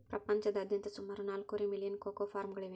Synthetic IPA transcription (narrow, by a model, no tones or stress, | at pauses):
pɾɐpɐɲt͡ʃɐd̪ɐd̪ʱjɐnt̪ɐsumaːɾonaːlkoɾemilijɐnkoːkoːfaːɾmɡɐɭeʋ